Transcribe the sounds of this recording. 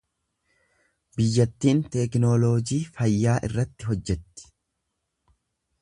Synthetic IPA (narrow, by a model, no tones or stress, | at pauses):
bɪjːɐt̪ːiːnt̪ɛknoːloːd͡ʒiːfɐjːaːʔɪ̰rːɐt̪ːɪɦɔd͡ʒːɛt̪ːɪ̥